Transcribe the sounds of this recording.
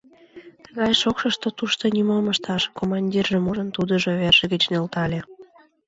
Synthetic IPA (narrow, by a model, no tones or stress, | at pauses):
t̪əɣɑjʃokʃəʃt̪ot̪uʃt̪onymoməʃt̪ɑʃkomɑnʲdʲirʒĕmuʒənt̪ud̪əʒoβerʒ̥ĕɣət͡ɕnølt̪ɑlʲe